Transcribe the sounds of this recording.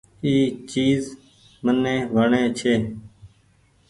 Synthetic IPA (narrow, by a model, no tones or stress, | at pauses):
iːt͡ʃiːz | mənẽːʋəɳẽːt͡ʃʰeː